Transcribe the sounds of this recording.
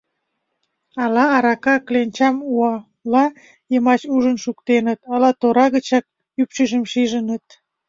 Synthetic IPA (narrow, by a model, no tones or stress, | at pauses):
ɑlɑːɾɑkɑklenʲt͡ɕɑmuɑ | lɑ | jəmɑt͡ɕuʒənʃukt̪enət̪ɑlɑt̪oɾɑɣət͡ɕɑk̚ | ypt͡ɕəʒəmʃiʒənət̪̚